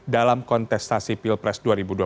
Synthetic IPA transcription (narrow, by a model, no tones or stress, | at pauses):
dalamkɔnt̪ɛst̪asipilpɾɛsduaɾibudua